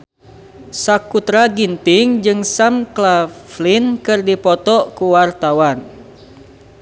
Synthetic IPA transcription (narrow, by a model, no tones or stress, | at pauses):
sakut̪ɾaɡint̪ɪŋd͡ʒɨŋsamklaflinkɨrdipɔt̪ɔkuwart̪awan